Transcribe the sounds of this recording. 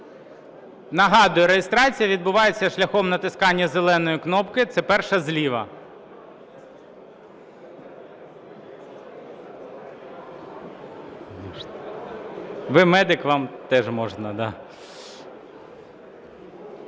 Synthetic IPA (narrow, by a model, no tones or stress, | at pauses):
nɐɦɑd̪ʊjʊɾejʲest̪ɾɑt͡sʲijɐʋʲid̪bʊʋɑjet͡sʲːɐʃlʲɐxɔmnɐt̪ɪskɑnʲːɐzelˠɛnɔjiknɔpkɪt̪sɛpɛrʃɐzlʲiʋɐ | mɔn | ʋɪmɛd̪ɪkʋɑmt̪ɛʒmɔʒnɐd̪ɑ